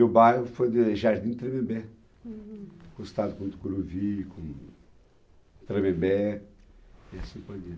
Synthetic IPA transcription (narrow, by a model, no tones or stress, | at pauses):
ʊbajɦʊfojd̪ɪʒaɾd̪ĩt̪ɾebebe | kõɪst̪ad̪ʊkõt̪u̥kuɾuvikõ | t̪ɾebebe | iasĩpojd̪i